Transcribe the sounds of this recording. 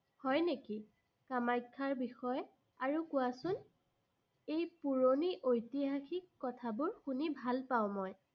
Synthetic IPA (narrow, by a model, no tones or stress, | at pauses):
hɔjneki | kamajkʰːaɹbixɔj | aɹukʊasʊn | ejpuɹoniʔojtiɦaxikːɔtʰabʊɹxunibʱalpaʊ̃mɔj